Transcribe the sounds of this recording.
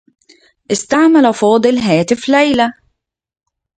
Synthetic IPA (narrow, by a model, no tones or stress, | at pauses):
ʔɪst̪aʕmalafɑːd̪ˤɨlɦaːt̪ɪflajla